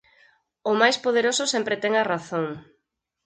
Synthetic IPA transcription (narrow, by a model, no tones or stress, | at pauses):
ʊmajspoð̞eɾosʊsɛmpɾɪt̪ɛŋaraθoŋ